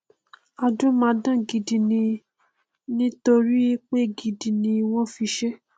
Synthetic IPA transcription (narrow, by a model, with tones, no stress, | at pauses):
a˧d͡ʒõ˦mãː˧˦dã˦˨ɡi˨di˨nĩ˧ | nĩ˦to˧ɾi˦k͡pe˦ɡi˨di˨nĩ˧w̃ɔ̃˦fi˧ʃe˦